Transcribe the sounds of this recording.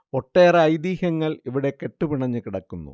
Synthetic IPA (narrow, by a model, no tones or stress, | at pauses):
oʈːeːrɐɐjd̪iːhɐŋːɐɭiʋiɽe̞ke̞ʈːupiɳɐɲːɨkiɽɐkːunːṵ